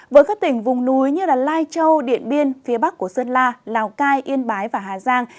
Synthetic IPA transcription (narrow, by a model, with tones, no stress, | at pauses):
vəː˨˦jkaː˦˥k̚t̪ï˧˩ŋ̟vʊ˨˩ŋ͡mnu˨˦jɲɨ˧laː˨˩laː˧jt͡ɕə˧wɗḭ˧˨ənɓi˧ənfi˨˦ɓa˦˥k̚ːu˧˩əsə˧nlaː˧laː˨˩wkaː˧jʔi˧ənɓaː˨˦jvaː˨˩ɦaː˨˩zaː˧ŋ